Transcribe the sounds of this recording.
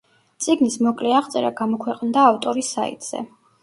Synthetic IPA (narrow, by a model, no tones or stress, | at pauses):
t̪sʼiɡnismɔkʼlɛaʁt̪sʼɛɾa̰ɡamɔkʰwɛqʼnd̪aːft̪ʼɔɾisa̰ḭt̪ʼz̥ɛ̰